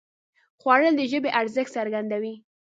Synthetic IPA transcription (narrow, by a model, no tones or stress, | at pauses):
xwɑɽəld̪əʒəbeʔaɾzəxt̪saɾɡand̪awi